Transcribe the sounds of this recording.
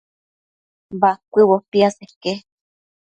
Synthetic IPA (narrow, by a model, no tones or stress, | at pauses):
bakʷiwopiaseke